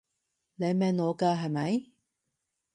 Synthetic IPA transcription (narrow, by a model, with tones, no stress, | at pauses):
le˨˧jmɛː˨˧nɔː˨˧kaː˧ɦɐ˨jmɐ˨˥j